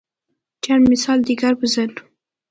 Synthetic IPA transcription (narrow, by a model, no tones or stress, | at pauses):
t͡ʃanmɪsɑld̪iɡaɾbəzalu